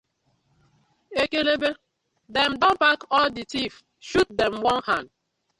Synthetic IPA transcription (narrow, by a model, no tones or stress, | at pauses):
ekelebe | dɛmdɔ̃mbakɔlditif | ʃut̚dɛmwɔ̃nhãnd̚